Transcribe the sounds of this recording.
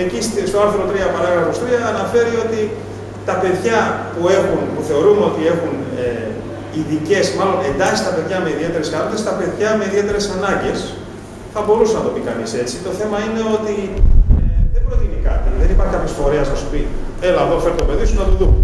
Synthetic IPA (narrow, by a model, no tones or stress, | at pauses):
ecist̪st̪oɐɾθɾo̞t̪ɾiɐpɐɾɐɣɾɐfo̞st̪ɾiɐːnɐfe̞ɾio̞t̪i | t̪ɐpe̞ðʝɐpue̞xunpuθe̞o̞ɾumeo̞t̪ie̞xune | iðice̞smɐlo̞ne̞nd̪ɐsi̥st̪ɐpe̞ðʝɐme̞iðie̞t̪e̞ɾe̞skɐnonest̪ɐpe̞ðʝɐme̞iðie̞t̪e̞ɾe̞sɐnɐɲɟe̞s | θɐbo̞ɾusenɐt̪opikɐnise̞t͡sit̪o̞θe̞mɐine̞o̞t̪ieðembɾo̞t̪inikɐt̪iðenipɐɾçekɐpçesfo̞ɾeɐsnɐsu̥pi | e̞lɐðofe̞ɾt̪ope̞ðisunɐt̪uðum